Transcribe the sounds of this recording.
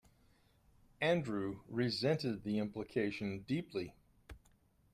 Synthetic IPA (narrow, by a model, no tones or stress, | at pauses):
æ̃ndɹʉɹɪzɛ̃ntɨd̪̚ðiɪ̃mpləkʰeɪʃɨ̃ndipʰli